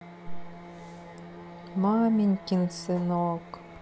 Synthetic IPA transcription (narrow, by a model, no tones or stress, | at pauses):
mɑːmʲinʲkʲinsɨnoːk